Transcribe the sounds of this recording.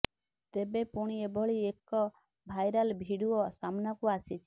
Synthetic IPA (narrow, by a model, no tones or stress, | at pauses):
t̪ebepuɽ̃iebɔɭiekɔ | bʱajɾalbʱiɽuɔsamnɔkuasit͡ʃʰi̥